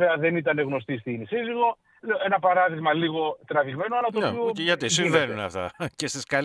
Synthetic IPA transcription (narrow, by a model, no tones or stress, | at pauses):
eɐðe̞nit̪ɐne̞ɣno̞st̪ist̪inisiziɣo̞ | e̞nɐpɐɾɐðiɣmɐliɣo̞t̪ɾɐviɣme̞noɐlɐt̪ioʝɐt̪issiɱvenunɐ̰ft̪ɐ̰cest̪iskɐl